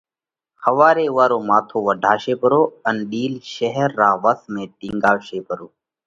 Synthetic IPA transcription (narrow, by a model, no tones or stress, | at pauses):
həʋaːɾeːʊʋaːɾoːmaːt̪ʰoːʋəɖʱaːʃeːpəɾoːənɗiːlʃəɦəɾːaːʋəsmẽːt̪iːŋɡaːʋʃeːpəɾoː